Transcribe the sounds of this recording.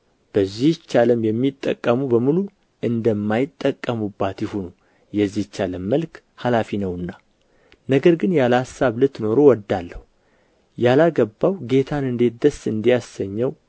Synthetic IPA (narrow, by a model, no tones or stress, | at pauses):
b̥əzːit͡ʃːaləmjɛmːit̪ʼːə̰kʼːəmubəmulu | ʔɨnd̪əmːajɪt̪ʼːəkʼːəmubːat̪jɪhunu | jɛzːit͡ʃːaləmːəlk | halafinəwɨnːa | nəɡəɾɡɨnjalhasːaβlɨt̪ːno̞ɾo̞wɔd̪ːalːəhu | jalaɡəbːawɡe̞t̪ʰanɨnd̪e̞t̪̚d̪əsːɨnd̪ijasəɲːɛw